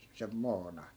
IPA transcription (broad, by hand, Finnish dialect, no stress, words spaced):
sem moːnɑ